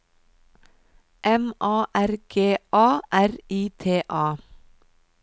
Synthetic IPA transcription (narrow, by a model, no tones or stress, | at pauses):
ʔɛmʔɑːʔæɾɡ̥eːʔɑːʔæɾiːt̪ʰeːʔɑː